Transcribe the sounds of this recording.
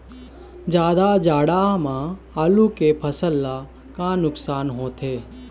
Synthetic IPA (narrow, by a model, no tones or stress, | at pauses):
d͡ʒjaːd̪ad͡ʒaːɽamã | alukepʰəsəlːa | kãnʊksaːnɦõt̪ʰe